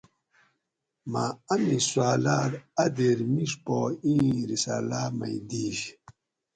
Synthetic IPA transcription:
maamiswaːlaːdad̪eɾmiʂpoĩːɾisaːlaːma̰jd̪iːɕ

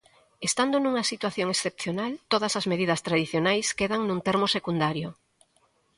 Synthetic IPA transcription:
est̪and̪onũŋɐsit̪waθjoŋesθep̚θjonalt̪oð̞ɐsɐzmeðiðɐst̪ɾaðiθjonajskeðaŋnũnt̪eɛɾmosekund̪aɾjo

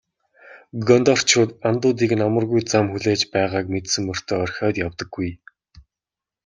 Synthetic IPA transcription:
ɡɔnt̪ɔr̥t͡ɕʰʊːt̪ant̪ʊːt̪̬iːknamə̆rɣujt͡samxuɮeːt͡ɕpæːʁaːkmet̪sɘ̆ŋːʊr̥t̪ʰœːɔrxʲɔːt̪jawt̪ɞ̆ɡːuj

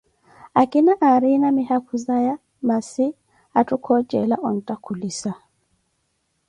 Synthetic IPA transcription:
akinaʔaɾinamihakuzaja | masi | atukʰɔd͡ʒɛ̰laʔɔn̩takulisa

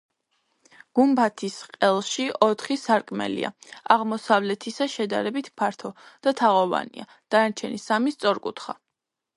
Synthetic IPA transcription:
ɡ̥umbat̪ʰisqʼɛlˠʃiɔt̪ʰχisaɾkʼmɛ̰lḭa̰aʁmɔsavlɛt̪ʰisaʃɛd̪aɾɛbit̪ʰpʰaɾt̪ʰɔd̪̥at̪ʰaʁɔva̰nḭa | d̪̥anaɾt͡ʃʰɛnisamist̪sʼɔɾkʼṵt̪ʰχa

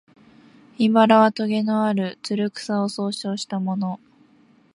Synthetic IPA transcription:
ibaɾaβat̪oɡe̞no̞aɾɯ̟t͡sɨɾɯ̟kɯ̥saoso̞ːɕo̞ːɕi̥t̪amo̞no̞

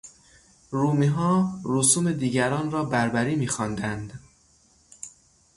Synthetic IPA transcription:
ɾuːmiɦɒːɾusuːmed̪iːɟæɾɒːnɾɒːbæɾbæɾiːmiːxɒːnd̪ænd̪

